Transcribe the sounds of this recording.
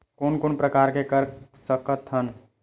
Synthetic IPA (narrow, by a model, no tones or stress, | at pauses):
koːnkoːnpɾəkaːɾkekəɾsəkət̪ɦən